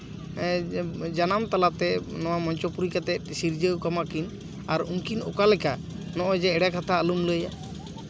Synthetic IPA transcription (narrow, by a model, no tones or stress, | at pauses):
d͡ʒanamt̪alat̪ɛnɔwamɔɲt͡ʃɔpuɾikat̪ɛt̪̚siɾd͡ʒəwkamakin | aɾuŋkinɔkalɛka | nɔʔɔd͡ʒɛːɖakat̪ʰaəlumləja